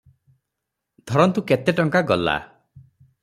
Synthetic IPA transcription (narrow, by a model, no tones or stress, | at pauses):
d̪ʱɔɾɔnt̪uket̪eʈɔŋkaɡɔla̰